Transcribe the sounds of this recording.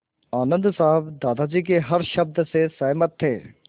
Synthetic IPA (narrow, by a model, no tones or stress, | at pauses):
aːnə̃nd̪saɦəbd̪aːd̪ad͡ʒik̬eɦɐɾʃɐb̚d̪sesɐːmət̪ʰːeː